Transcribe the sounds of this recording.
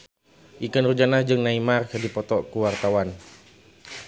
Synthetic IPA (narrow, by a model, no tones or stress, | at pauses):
ʔikənrud͡ʒanahd͡ʒɨŋnaimarkɨdipɔt̪ɔkuwart̪awan